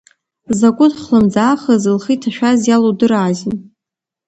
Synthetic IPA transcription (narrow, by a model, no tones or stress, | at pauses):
zakʷʼʊtχlɨmd͡zaːχəzɨlχitʰaʃᶣazjalodɨraːzʲɪn